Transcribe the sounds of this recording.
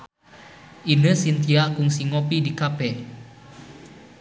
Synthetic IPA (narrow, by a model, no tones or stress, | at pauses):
ʔinəsint̪iaʔkʊŋsiŋopidikapɛ